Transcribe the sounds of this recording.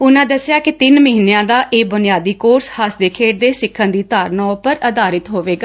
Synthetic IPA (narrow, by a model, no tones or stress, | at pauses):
ʊnãːd̪əsɪjaːkɪt̪ɪnməɦiːnejãːd̪aːʔeːbʊnɪjaːd̪iːkoːɾshəsd̪eːkʰeːʈ̚d̪eːsɪkʰːə̃nd̪iːt̪aːɾnɔːpəɾəd̪aːɾɪt̪ɦoːʋeːɡaː